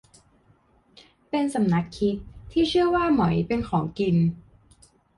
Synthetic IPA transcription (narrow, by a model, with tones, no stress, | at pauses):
pe˧nsa˨˩˦mna˦˥kʰːi˦˥t̪̚ʰːiː˥˩t͡ɕʰɯ˥˩əwaː˥˩ma˩˦jpe˧nkʰɔː˩˦ŋki˧n